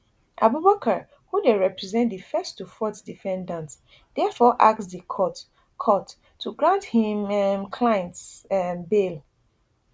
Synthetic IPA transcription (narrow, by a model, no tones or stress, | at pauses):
ʔa̰bubakʰə | hudeɹɛpɹizɛ̃ntdifɛstufɔtdifɛ̃ndãnt | dɛfɔʔa̰k̚tsdikʰɔt | kʰɔtʰː | uɡɹãnthĩmmkʰlajɛ̃ntsnbel